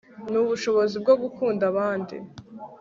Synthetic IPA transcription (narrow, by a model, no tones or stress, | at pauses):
nuβuʃo̞βo̞zib̚ɡoɡukʰuːndaβaːndḭ